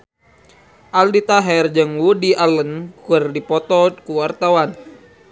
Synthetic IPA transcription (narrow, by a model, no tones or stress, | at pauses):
ʔaldit̪aɦɛrd͡ʒəŋwudialənkərdipɔt̪ɔkuwart̪awan